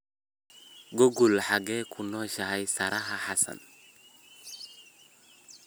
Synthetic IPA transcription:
ɡoɡulħaɡɛkʰunɔʃaɦajsaɾʔaɦaħasa̰n

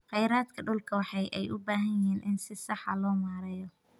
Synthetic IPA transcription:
χɛjɾaːd̪kʰɐɖʊlkʰɐwɑħɑjʔɛjʔʊbaːɦɐjɪɦiːnʔɪnsɪsɑħɑ̰lɔːmaːɾɛjɔ

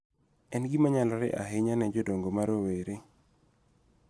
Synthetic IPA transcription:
ɛnɡimaɲalɔɾɛ̰ʔa̰ɦeɲanɛd͡ʒɔdoŋɡomaɾoweɾe

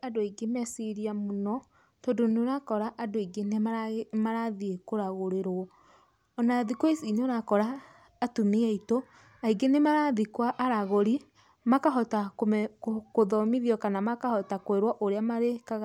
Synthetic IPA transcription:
adoiɡemɛsiɾiamonɔ | todoneoɾakɔɾaʔadoiɡenemamaɾaðiekoɾaɣoɾeɾo | ɔnaðikoesineoɾakɔɾaː | tumiɛito | aiɡenemaɾaðikwaʔaɾaɣoɾi | makaɦɔtakkoðɔmiðiɔkanamakahɔtakweɾwɔʔoɾeamaɾekaɣa

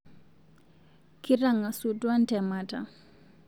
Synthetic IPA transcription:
kiɾaŋasudwantɛmata̰

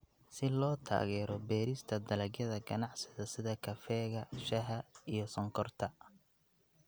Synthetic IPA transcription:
sɪlɔːt̪ʰa̰ːɣɛːɾɔbɛːɾɪst̪ʰɐd̪ɐlɐɡjɐðɐɡɐnɑʕsɪðɐsɪðɐkʰɐfɛːɣɐʃɐɦɐijɞsɔŋkʰɔrt̪ʰɐ

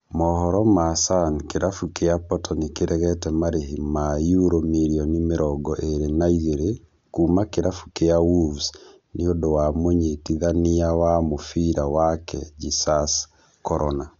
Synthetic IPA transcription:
mɔhɔɾɔmasankeɾafukeapɔtɔnekeɾɛɣɛtɛmaɾeɦimajuɾomiɾiɔnimeɾɔɡɔʔeɾenaizeɾe | kuːmakeɾafu̥keawuvs | neodowamoɲetiðaniawamofiɾawakɛ̰d͡ʒisas | kɔɾɔna

